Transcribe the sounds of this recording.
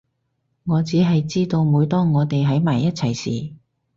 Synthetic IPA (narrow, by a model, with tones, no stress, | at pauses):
ŋɔː˨˧t͡siː˨˥ɦɐ˨jt͡siː˥t̪o˧wmuː˨˧˥jt̪ɔː˥ŋɔː˨˧t̪e˨jɦɐ˨˥jmaː˨˩jːɐ˥t̚t͡sʰɐ˨˩jsḭː˨